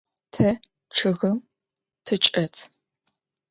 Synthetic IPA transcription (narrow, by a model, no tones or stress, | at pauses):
tʰɐ | ʈ͡ʂʰɨɣɐm | tʰɨt͡ʃʼɐtʰ